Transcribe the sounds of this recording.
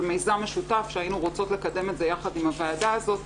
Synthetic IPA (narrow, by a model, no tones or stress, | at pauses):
mejzame̞ʃutafʃeajinuʁot͡so̞tle̞kade̞metze̞jaχadimhaveːdaːzo̞t